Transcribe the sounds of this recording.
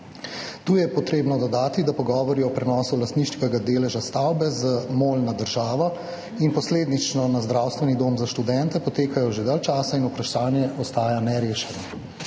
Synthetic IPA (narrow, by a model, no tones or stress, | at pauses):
t̪uːjɛpɔt̪ɾeːbnɔd̪ɔd̪aːt̪id̪apɔɡɔːʋɔɾiɔpɾɛnɔːsulast̪niːʃt͡ʃikɛɡad̪eːlɛʒast̪awbɛzəmoːlnad̪əɾʒaːʋɔ | inpɔsleːd̪nit͡ʃnɔnazd̪ɾawst̪ʋɛnid̪oːmzaʃt̪ud̪ɛnt̪ɛpɔt̪eːkajɔʒed̪aːlt͡ʃaːsainupɾaʃaːnjɛɔst̪aːjanɛɾeːʃɛnɔ